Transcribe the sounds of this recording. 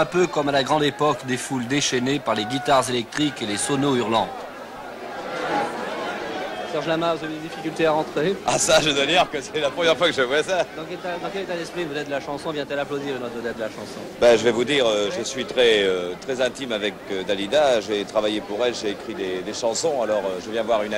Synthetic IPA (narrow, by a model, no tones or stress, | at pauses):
ɛ̃pøkɔmalaɡʁɑ̃d̪epɔkd̪efuld̪eʃɛnepaʁleɡʲit̪aʁzelɛk̚t̪χikelesɔnoyʁlɑ̃d̪ | sɛʁʒlamavuzavyd̪ed̪ifikʲylt̪eaʁɑ̃t̪χeasaʒəd̪waliʁkəsetɛlapχəmjɛʁfwakəʒəvwasad̪ɑ̃kɛt̪ad̪ɑ̃kɛlet̪ad̪ɛspχivəd̪ɛt̪̚d̪əlaʃɑ̃sɔ̃vjɛ̃t̪ɛlaplod̪ilənɔt̪vəd̪ɛt̪̚d̪əlaʃɑ̃sɔ̃baʒəvɛvud̪iʁøʒəsɥit̪χɛøt̪χɛzɛ̃t̪imavɛkød̪alid̪aʒet̪χavajepuʁɛlʒeːkχid̪ed̪eʃɑ̃sɔ̃alɔʁøʒəvjɛ̃vwaʁyn